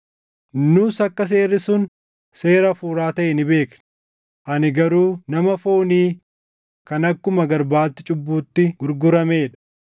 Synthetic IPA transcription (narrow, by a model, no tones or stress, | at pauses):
nʊsɐkːɐs̬e̞ːrːɪsʊn | se̞ːɾɐfuːɾaːt̪ɐʔɛnɪbe̞ːkn | ʔɐnɪɡɐɾuːnɐmɐfoːniː | kɐnɐkːʊmɐɡɐɾbaːt̪ːɪt͡ʃʼʊbːuːt̪ːɪɡ̥ʊɾɡʊɾɐmeːᶑɐ̥